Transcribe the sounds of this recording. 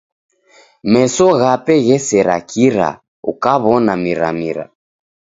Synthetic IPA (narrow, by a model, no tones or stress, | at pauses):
mɛsɔɣapɛɣɛsɛɾa̰kiɾa̰ | ṵkaβɔnamiɾa̰miɾa̰